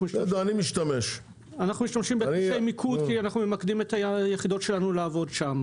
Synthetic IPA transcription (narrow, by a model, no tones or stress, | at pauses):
miʃodoanimiʃtɐmeʃ | anaχnumiʃt̪amʃimbeiʃejmikʰudkianaχnume̞makd̪imet̪ajeχido̞tʃelanuleavo̞d̪ʃam